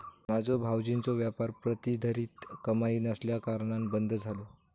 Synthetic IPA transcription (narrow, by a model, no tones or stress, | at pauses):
mad͡zʱobʱawd͡ʑint͡soʋjapaɾpɾət̪id̪ʱəɾiːt̪kəmaiːnəsljakaɾɳambənd̪ʱd͡zʱalo